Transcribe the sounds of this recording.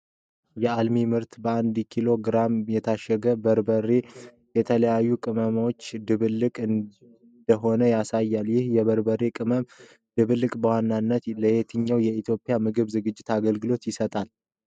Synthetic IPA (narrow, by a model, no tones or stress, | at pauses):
jɛalmimɨɾt̪bəand̪kʰilo̞ɡɾamjɛt̪ʰaʃɛɡəbəɾbərːe | jɛt̪ʰələjajːukʼɨməmwot͡ʃːd̪ɨβɨlːɨkʼɨn | nd̪̥əɦo̞nəjasajːaljɪhjɛβəɾbərːekʼɨməm | d̪̥ɨβɨlːɨkʼbəwanːanːət̪ləjet̪ʰɨɲːawjɛit̪ʰjo̞pʼjamɨɡɨβzɨɡɨd͡ʒːɪt̪aɡəlɡɨlo̞t̪jɪsət̪ʼal